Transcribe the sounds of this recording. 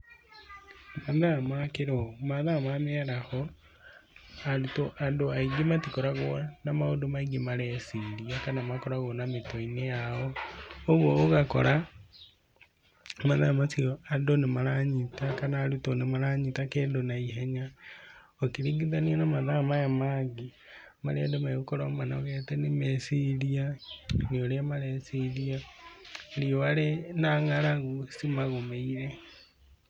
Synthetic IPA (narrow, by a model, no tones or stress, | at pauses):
maðamakeɾeomaðamameaɾaho | aɾutoʔadoaiɡematikoɾaɣonamaodomaiɡemaɾɛsiɾiakanamakoɾaɣonametoinejaooɣoːɣako̰ɾa | maðamasioadonemaɾaɲitakanaːɾutonemaɾaɲitakedonaiɦɛɲa | okiɾiɡiðanianamaðamajamaɡi | maɾeadomaɣokoɾɔmbanɔɣɛtɛnemɛsiɾianeoɾeamaɾɛsiɾia | ɾioaɾenaŋaɾaɣusimaɣomeiɾɛ